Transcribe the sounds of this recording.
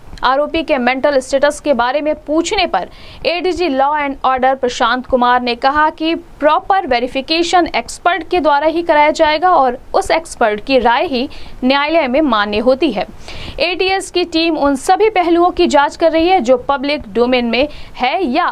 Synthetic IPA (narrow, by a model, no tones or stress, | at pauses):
aːɾoːpikemɛ̃ːɳʈəlɪsʈeːʈəskebaːɾemẽpuːt͡ʃʰnepɐɾ | eːɖiːd͡ʒilɔːɛ̃ːɳɖɔːɾɖəɾpɾɐʃãːnt̪kʊmaːɾnekɐɦakipɾɔːpəɾʋeːɾɪfɪkeːʃəneːkspəɾʈked̪waːɾaɦikɐɾaːjad͡ʒaːeːɡaɔːɾʊseːkspəɾʈkiɾaːjɦinjaːɪləmẽmaːnːeɦoːt̪iɦɛː | eːʈiːɛskiʈiːmʊnsɐbʱipɛɦluõkid͡ʒaːd͡ʒkɐɾːɐɦiɦɛd͡ʒoːpɐblɪkɖoːmɪ̃ːnmẽhɛja